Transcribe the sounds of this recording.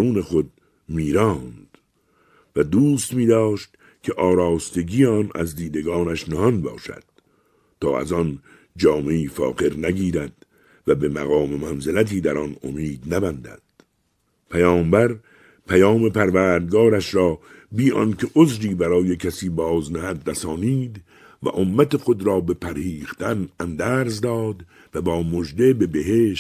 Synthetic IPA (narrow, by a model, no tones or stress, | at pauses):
uːnexo̞d̪̚ | miːɾɒːnd̪̥ | væd̪uːst̪miːd̪ɒːʃt̪ | kʲʰeʔɒːɾɒːst̪e̞ɡiːjɒːnæ̰zd̪iːd̪e̞ɡɒːnæʃnehɒnbɒ̰ːʃæ̰d̪̥ | t̪ʰɒːæ̰zɒn | d͡ʒɒːme̞iːfɒ̰ːqe̞ɾnæɡiːɾæd̪̥ | væbemæ̰ɣɒːmemænzelæt̪̬ʰiːd̪æɾɒno̰miːd̪næbænd̪æ̰d̪̥ | pʰæjɒːmbæɾ | pʰæjɒːme̞pʰæɾvæːɾd̪̚ɡɒːɾæʃɾɒːbiːʔɒ̰nkʰeʔozɾiːbæɾɒːjekʰæsiːbɒːznæhæd̪ɾæsɒːniːd̪ | væ̰ʔomːæt̪exo̞d̪ɾɒːbe̞pʰæɾhiːχt̪ʰænænd̪æːɾzd̪ɒːd̪ | væbɒːmod͡ʒd̪e̞be̞beɦeːʃ